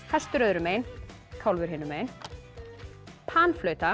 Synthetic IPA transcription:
hɛst̪ʏɾœðɾʏmeːjn | kʰawlvʏɾhɪnʏmeːjn | pʰaːnflœːɥt̪a

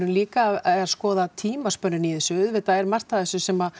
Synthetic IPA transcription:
ʏnliːkaɛaskɔːðat̪ʰiːmaspœnːʏniðɛsʏʏðvɪðθaðɛɾmar̥t̪aðɛsʏsɛma

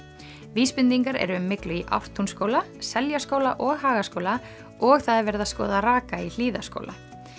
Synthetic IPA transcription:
viːspɪnt̪iŋkaɾɛ̰ɾʏʏmːɪklʏiʔa̰wr̥t̪ʰunskoːwlasɛljaskowlaʔɔɣɦaːɣaskowla | ɔɣθaðɛɾvɛɾðaskɔ̰ːðaraːkail̥iːðasko̰ːwla̰

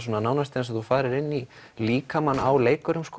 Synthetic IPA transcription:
s̬unanaːwnast̪ɛnsɔθufaːɾɪɾɪnːi | liːkamanːa̰wleːjkʏɾʏmskː

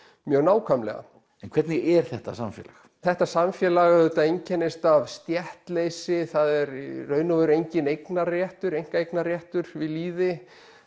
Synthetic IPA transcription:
mjœːɣnaːwkʰamlɛ̰ɣa̰ | ɛnkʰvɛɾt̪nɪʔɛɾ̥θɛht̪asamfjɛ̰ːlax | θɛht̪asamfjɛːlaɣɛt̪aejɲcʰɛnːɪst̪avst̪jɛht̪lejsɪθaðɛɾrːœːɥnʏvʏɾejɲcɪnejknarjɛht̪ʏɾejŋ̥kaejknarjɛht̪ʏɾvɪðliːðɪ

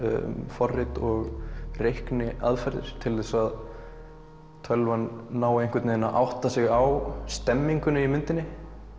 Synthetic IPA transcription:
mfɔrːɪt̪ɔɣrejhknɪaðfɛɾðɪ̰ɾ̥t̪ʰɪlθɛsað | t̪ʰœlvanːaːwejŋ̥kvɪɾt̪neðnaʔa̰wht̪asɪɣawst̪ɛmːiŋkʏnʏimʏnt̪ɪnːɪ

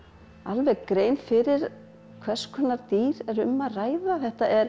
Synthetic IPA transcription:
alvɛɣkɾeːjnfɪɾɪɾ̥ | kʰv̥ɛ̥skʰɔnaɾt̪iːɾɛɾʏmːaðraːjðaθɛht̪aʔɛɾ̥

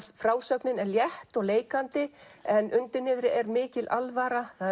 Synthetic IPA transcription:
fɾaːwsœknɪnɛɾljɛht̪ɔɣleːjkant̪ɪɛnʔʏnt̪ɪnːɪðɾɪʔɛɾmɪːcɪlʔalvaɾaθa

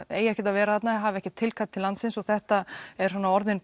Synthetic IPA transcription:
eːjɛhçcɪt̪avɛːɾaθat̪naɦaːvɛhcɪt̪ʰɪlkʰat̪ʰːɪlant̪sɪnsɔθɛht̪aɛɾ̥sɔnaɔɾðɪn

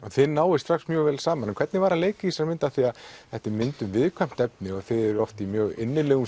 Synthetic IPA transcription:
ɔθɪnaːwɪst̪ɾaxsmjœːɣvɛːlsaːmanɛkʰvɛɾt̪nɪvaɾaleːjcɪisaɾmɪnt̪aθiaðθɛht̪ɪmɪnt̪ʏmvɪðkʰvam̥t̪ɛp̚nɪɔθɪðɛɾɔft̪imjœːɣɪnːɪlɛɣʏ

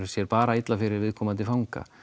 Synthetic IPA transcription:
sjɛɾpaːɾaɪt̪lafɪɾɪɾvɪðkʰɔːmant̪̬ɪfawŋka̰

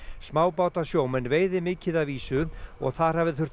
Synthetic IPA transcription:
smaːwpaːwt̪asjoːwmɛnːveːjðɪmɪːcɪðaviːsʏɔ̰ɣθaðɾ̥ɦaːvɪðθʏr̥

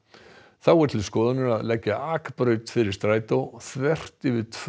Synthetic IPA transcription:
θawɛt̪ʰɪɪskɔːðanʏɾaðlɛcːaʔaːkpɾœːɥt̪fɪɾɪɾ̥st̪ɾaːjt̪owθvɛr̥t̪ɪvɪðt̪ʰ

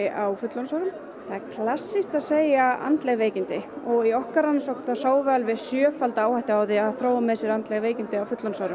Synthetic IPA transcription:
ɪʔawfʏt̪lɔnsawɾʏm | θaɛɾkʰlasːist̪aðseːjaa̰nt̪lɛɣveːjcɪnt̪ɪɔɣiɔhkaɾanːsowk̪θasaːwvɛlvɪsjœːfalt̪aaːwhajht̪ɪaːwðɪaaθɾowamɛðsjɛɾant̪lɛɣveːjcɪnt̪ɪawfʏt̪lɔnsawɾʏ

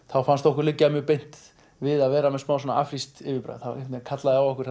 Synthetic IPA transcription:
θawfanst̪ɔhkʏɾlɪcːamjœɣpejn̥t̪ | vɪðaðvɛːɾamɛðsmaːwsɔna̰a̰fɾist̪ɪvɪpɾa̰ðθaw̰t̪ɪkʰat̪laðɪawɔhkʏɾ̥

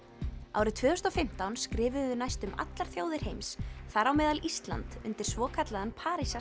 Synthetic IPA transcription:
a̰wɾɪt̪ʰvœːʏst̪afɪm̥t̪awnskɾɪːvʏʏnajst̪ʏma̰t̪laɾ̥θjoːwðɪɾ̥hejmsθaɾawmɛːðalʔist̪la̰nt̪ʏ̰nt̪ɪɾ̥svɔːkʰat̪laðanpʰaːɾisa

